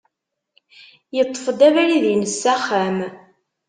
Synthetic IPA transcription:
jət̪ˤːə̥fəd̪ævæɾiðjnəsːæχæm

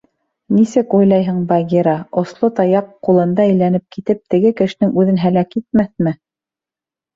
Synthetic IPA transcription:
nisɘkujlˠɑjɦɤɴbɑɡʲiɾɑŏslˠot̪ɑjɑqːulˠɤ̆nd̪ɑɘ̆jlænɘp̚kit̪ɘp̚t̪ɘ̆ɡɘkɘ̆ʃɘ̆nɘŋʉðɘnɦælækit̪̚mæθmɘ

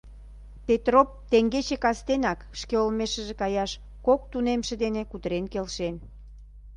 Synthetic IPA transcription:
pet̪rop̚t̪eŋɡet͡ɕekɑst̪enɑkʃkeolmeʃə̆ʒekɑjɑʃ | kok̚t̪unemʃĕd̪enekut̪ɾenkelʃen

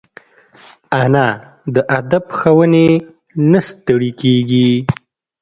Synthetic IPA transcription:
ana | d̪əʔad̪abxawəne | nast̪əɽikeɡi

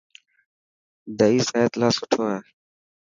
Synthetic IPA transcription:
d̪əiːsaːet̪laːsʊʈʰoːɛː

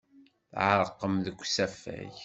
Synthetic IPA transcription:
θʕəɾˤəqːəmðəkʷːsæfæ̰ç

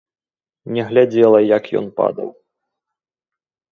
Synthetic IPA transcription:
nʲɛɣlʲad͡zʲɛlˠɐjɐkjɔ̰npa̰d̪ɐ̰w

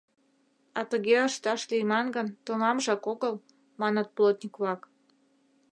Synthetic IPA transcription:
ɑt̪əɣeəʃt̪ɑʃlijmɑnɡənt̪omɑmʒɑkoɣəl | mɑnət̪̚plot̪ʲnʲikβlɑk

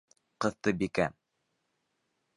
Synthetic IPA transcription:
qɤ̆ðt̪ɤbikæ

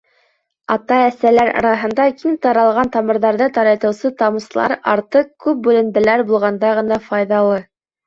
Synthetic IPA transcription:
ɑt̪ɑæsælæɾɑ̰ɾɑɦɤ̆nd̪ɑkimt̪ɑɾɑlˠʁɑnt̪ɑmɤ̆ɾðɑɾðɤt̪ɑɾɑt̪ɤ̆wsɤt̪ɑmɤ̆slˠɑ̰ɾɑ̰ɾt̪ɤkʉp̚bʉlɘ̆md̪ɘ̆læɾbulˠʁɑnd̪ɑʁɤ̆nɑfɑjðɑlˠɤ

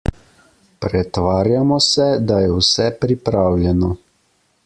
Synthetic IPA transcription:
pɾɛt̪ʋaːɾjamɔsɛd̪ajɛwsɛpɾipɾaːwljɛnɔ

